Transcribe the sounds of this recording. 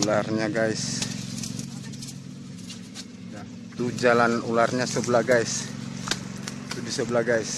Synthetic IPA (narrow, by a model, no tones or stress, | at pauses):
larɲaɡais | t̪ud͡ʒalanularɲasɔblaɡais | t̪udisɔblaɡais